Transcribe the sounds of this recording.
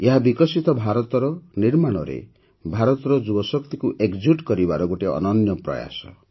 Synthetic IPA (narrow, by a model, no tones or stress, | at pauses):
eɦabikɔsit̪ɔbʱaɾɔt̪ɔɾɔniɾmaɽ̃ɔɾḛ | bʱaɾɔt̪ɔɾɔd͡ʒubɔsɔkt̪ikuʔeɡd͡ʒiʈkɔɾibaɾɔɡoʈeɔ̰nɔnjɔpɾɔ̰ja̰sɔ̰